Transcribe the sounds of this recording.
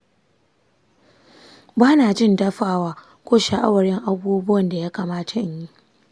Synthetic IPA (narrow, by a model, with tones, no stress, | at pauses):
baː˦naː˨d͡ʒɪ˦˨ndɐ˦ɸaː˨waː˦ | kʷoː˦ʃa˨ʔa˦wɐ˨ɽɪ˦ŋʔa˦buː˦bʊ˦wɐ˨nda˨jaː˦kaː˨maː˦tʰa˨ɲji˦